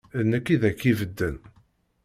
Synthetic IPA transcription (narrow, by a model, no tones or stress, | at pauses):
ənːəkːiðækːivəd̪ːən